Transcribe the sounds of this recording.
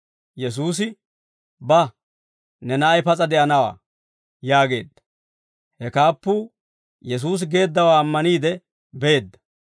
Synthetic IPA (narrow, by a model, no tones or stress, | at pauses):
jɛs̬uːs̬ɪ | bɐ | nɛnɐɐjpɐt͡sʼɐd̪ɛʔɐnɐwa̰ː | jaːɡe̞̰ːd̪ːɐ | hɛkaːpːu | jɛs̬uːs̬ɡe̞ːd̪ːɐwaːmːɐniːd̪ɛ | beeːd̪ːɐ̥